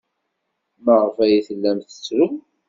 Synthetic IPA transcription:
məʁəfæjiθəlːæmθə̥t͡sːvən

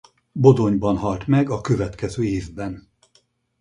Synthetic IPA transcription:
bo̞d̪o̞ɲbɒnɦɒlt̪mɛɡɒkøvɛt̪kɛzøːeːvbɛn

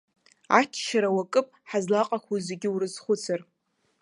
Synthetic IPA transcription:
a̰t͡ʃʰʃaɾawakʼɨpʼħazlaqʼakʷʰuzeɡʲɪurɨzχʷʊt͡sʰar

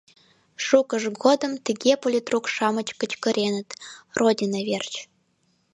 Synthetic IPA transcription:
ʃukəʒɣod̪əmt̪əɣepolʲit̪rukʃɑmət͡ɕkə̆t͡ɕkə̆ɾʔenə̆t̪rʔodʲinɑβert͡ɕ

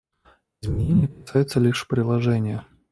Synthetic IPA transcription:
ɪzmʲɪnʲenʲɪjəkɐsajɪt̪səlʲiʂpɾʲɪlˠɐʐɛnʲɪjə

